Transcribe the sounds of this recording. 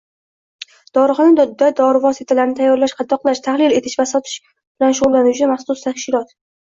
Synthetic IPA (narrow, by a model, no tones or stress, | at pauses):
d̪̥ɒɾɨχɑnad̪ad̪ɒɾɪvɒsɪt̪ʰalaɾnɪt̪ʰajːɒɾlaʃqʰɑd̪ːɒqlˠaʃt̪ʰahlɪle̞t̪ʰɪ̥ʃvasɒt̪ʰɪ̥ʃ | b̥ɪlanʃʊʁʊlˠːanut͡ʃʰɪmaχsʊst̪ʰaʃkɪlɒt̪